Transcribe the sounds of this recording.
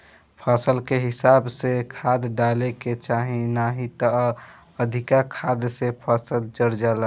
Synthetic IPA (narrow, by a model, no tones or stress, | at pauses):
pʰasəlkeɦɪsabsekʰad̪ɖaleket͡ʃaɦĩnaɦĩt̪ə | əd̪ʱikakʰad̪sepʰəsəld͡ʒəɾd͡ʒalə